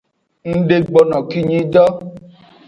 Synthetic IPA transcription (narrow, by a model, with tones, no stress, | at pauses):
n̩˦ɖe˧ɡ͡bɔ˨nɔ̃˨ki˦ɲĩ˧d͡ʒɔ˦